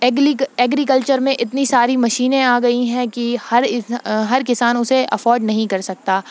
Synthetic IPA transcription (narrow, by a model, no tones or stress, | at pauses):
ɛːɡɾik̬əlt͡ʃəɾmẽʔɪt̪nisaːɾimɐʃiːnẽaːɡɐiɦɛ̃kihɐɾɪɦɐɾkɪsaːnʊseʔɐfɔːɾɖnɐɦĩkɐɾsɐk̚t̪aː